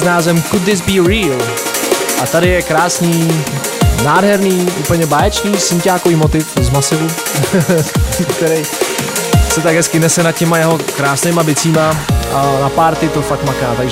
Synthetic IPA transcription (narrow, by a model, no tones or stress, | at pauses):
znaːzɛmkʊd̪ðɪsbiːɾiːl | ʔat̪adɪjɛkɾaːsniː | naːdɦɛɾniːʔuːpl̩ɲɛbaːjɛt͡ʃɲiːsɪmcaːkoviːmot̪ɪfzmasɪvu | kt̪ɛɾɛj | sɛt̪aɡɦɛskɪnɛsɛnat̪̚cɛmajɛɦo̞kɾaːsnɛjmabɪt͡siːmaʔanapaːɾt̪ɪt̪o̞fakmakaːt̪aɡʒ